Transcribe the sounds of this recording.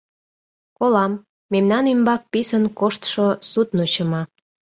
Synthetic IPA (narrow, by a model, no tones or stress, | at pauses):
kolɑmː | emnɑnymbɑk̚pisənkoʃt̪ʃosut̪not͡ɕəmɑ